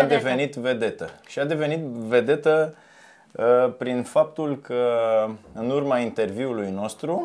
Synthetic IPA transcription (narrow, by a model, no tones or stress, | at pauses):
ad̪e̞ve̞nit̪ve̞d̪e̞t̪əʃiad̪e̞ve̞nit̪ve̞d̪e̞t̪ə | pɾinfap̚t̪ulkʰə | ɨnurmaint̪e̞rviulujno̞st̪ɾu